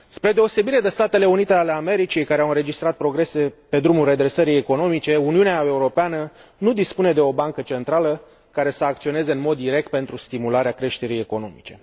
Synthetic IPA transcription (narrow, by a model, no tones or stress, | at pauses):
spɾe̞d̪e̞o̞se̞biɾe̞d̪e̞st̪at̪e̞le̞unit̪e̞ale̞ame̞ɾit͡ʃijkaɾeawɨnɾe̞d͡ʒist̪ɾat̪̚pɾo̞ɡɾe̞se̞pe̞d̪ɾumulre̞d̪ɾe̞səɾijeko̞no̞mit͡ʃe̞uniuneae̞uɾo̞peanənud̪ispune̞d̪e̞o̞baŋkət͡ʃe̞nt̪ɾalə | kaɾe̞səak̚t̪sio̞ne̞zeɨnmo̞d̪ːiɾe̞k̚t̪̚pe̞nt̪ɾust̪imulaɾeakɾe̞ʃt̪e̞ɾije̞ko̞no̞mit͡ʃe̞